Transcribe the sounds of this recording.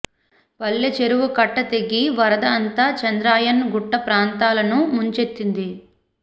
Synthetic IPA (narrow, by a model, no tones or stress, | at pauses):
pɐɭːɐt͡ʃe̞ɾuʋukɐʈːɐt̪e̞ɡiʋɐɾɐd̪ɐːnt̪aːt͡ʃɐnd̪ɾaːjɐnɡuʈːɐpɾaːnt̪aːlɐnumuɲt͡ʃe̞t̪ːind̪i